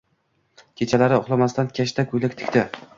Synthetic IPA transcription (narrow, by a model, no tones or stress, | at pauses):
kʲʰet͡ʃʰalaɾɪoχlˠamast̪ankʲʰaʃt̪ʰakʰʲʊjlɪkʲt̪ʰɪ̥kʲt̪ɪ